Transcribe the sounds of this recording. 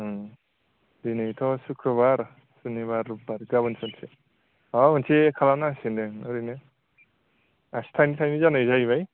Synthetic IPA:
dinejtʰɔsukʰɾɔβaɾ | suniβaɾːup̚ːaɾɡabɯnsansʰe | amɯnsekʰalanasindenɔɾinɯ | asi̥tʰajnitʰajnizanɯjzajβaj

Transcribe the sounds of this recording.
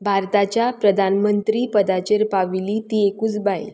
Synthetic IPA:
bʱaɾt̪at͡ɕjapɾəd̪ʱanmənt̪ɾiːpəd̪at͡ɕəɾpaʋiliːt̪iekuːt͡sbaj̰l

